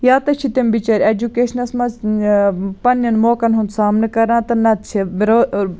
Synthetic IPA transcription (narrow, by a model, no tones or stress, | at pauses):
jaːt̪ɐt͡ʃʰit̪embit͡ʃɐɾʲed͡ʒukeːʃɐnɐsmɐz | pɐnjɐnmoːkɐnɦũnd̪saːmnɨkɐɾãːt̪ɐnɐt͡ʃʰiɾoː